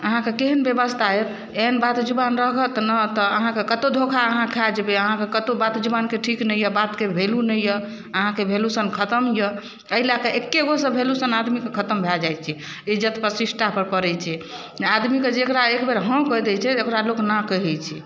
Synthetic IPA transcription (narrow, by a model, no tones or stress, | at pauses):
əɦãkekeɦənbebəst̪ʰaet̪ | enbat̪d͡ʒubanɾəkət̪nət̪ɔəɦãkekət̪od̪ʱokʰaəɦãkʰɛd͡ʒbeəɦãkekət̪obat̪d͡ʒubankeʈʰiknəjəbat̪kebʱelunəjjə | əɦãkebʱelusənkʰət̪əmjə | əɦilakeʔekːeɡosə̃bʱelusənad̪mikekʰət̪əmbʱɛld͡ʒajt͡ʃʰɛ | id͡ʒət̪pəsisʈapəɾpəɾɛt͡ʃʰɛ | d͡ʒad̪miked͡ʒekɾaekbeɾɦə̃kəjd̪ɛt͡ʃʰɛekɾaloknəkəɦɛt͡ʃʰi